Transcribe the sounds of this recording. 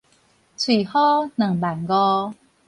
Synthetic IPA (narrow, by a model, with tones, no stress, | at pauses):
t͡sʰwi˨˩hɔ˦nə˨˩ŋba˨˩nɡɔ˧